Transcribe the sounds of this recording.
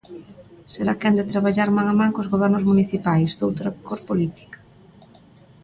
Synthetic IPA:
seɾakand̪et̪ɾaβaʎaɾmaŋamaŋkozɣoβ̞ɛɾnʊzmuniθipajzd̪owt̪ɾakoɾpolit̪i̥kḁ

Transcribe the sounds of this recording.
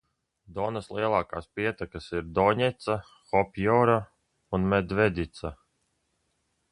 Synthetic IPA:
d̪ɔnaslˠiɛlˠɑːka̰ːspiɛt̪akasiɾd̪ɔːɲɛt̪sa | xɔpʲjɔːɾa | unmɛd̪vɛd̪ʲit̪sa

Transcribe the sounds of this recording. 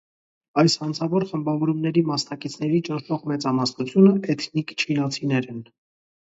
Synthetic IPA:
ɑjshɑnt͡sʰɑvɔɾχəmbɑvɔɾumnɛɾimɑsnɑkit͡sʰn̪ɛɾit͡ʃənʃɔʁmɛt͡sɑmɑsnut͡sʰjunəɛt̪ʰnikt͡ʃʰinɑt͡sʰinɛɾɛn

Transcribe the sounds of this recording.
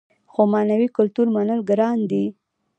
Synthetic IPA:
xomɑnawikʊlt̪uɾmanəlɡɾɑnd̪i

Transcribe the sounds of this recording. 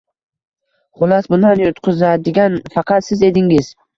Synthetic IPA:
χʊlˠɑsbʊnd̪anjot̪qʰʊzad̪ɪɡʲanfɑqʰɑt̪sɪze̞d̪ɪŋɪz̥

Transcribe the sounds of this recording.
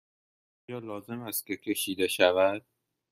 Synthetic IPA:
ɔːjɒːlɒːze̞mæst̪̚cʲe̞cʲʰe̞ʃiːd̪e̞ʃævæd̪̥̚

